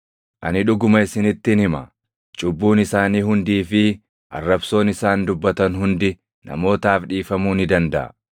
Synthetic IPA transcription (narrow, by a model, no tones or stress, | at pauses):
ʔɐnɪᶑʊɡʊmɐɪsɪnɪt̪ːɪnhɪmɐ | t͡ʃʼʊbːuːnɪsaːniːhʊnd̪iːfɪ | ʔɐ̰rːɐbso̞ːnɪsaːnd̪ʊbːɐt̪ɐnhʊnd̪ɪ | nɐ̰mo̞ːt̪aːfᶑiːfɐmuːnɪd̪ɐnd̪ɐʔɐ̰